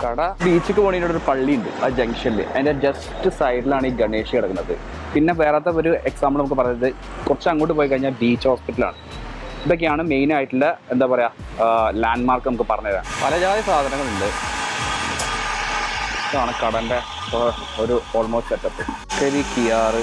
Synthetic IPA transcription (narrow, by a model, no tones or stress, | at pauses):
kɐɽɐbiːt͡ɕːɨkʲːɨpoːɳinːoɽoɾupɐɭːijuɳɖɨ̰ad͡ʑɐŋɡʂɐnilḭʔɐ̰inded͡ʑɐstɨsɐjɖilaːɳiːɡɐɳeːʂieɽɐkːunːɐðɨ̰ | pinːeʋe̞ːraːt̪̬ːeo̞ɾueksaːmblnɐmukːɨp̬ɐrɐɲːɐðɨ | kurɐt͡ɕːɨɐŋːo̞ːʈ̬ːɨp̬oːjik̬ɐɻiɲːaːlbiːt͡ɕːhoːspiʈːɐla̰ːɳɨ | d̪ok̬ːeaːɳɨme̞jnaːjiʈːilːɐe̞nd̪aːpɐrɐjaː | laːɳɖmaːrkɨnɐmukːɨpɐrɐɲːɐða̰pɐlɐd͡ʑaːðɐsaːd̪ʱɐnɐŋːɐɭilːɐ | aːɳɨkɐɽɐnde̞ | oɾuo̞ːlmo̞ːsʈetːɐpːɨ | sɐɾikijaːrɨ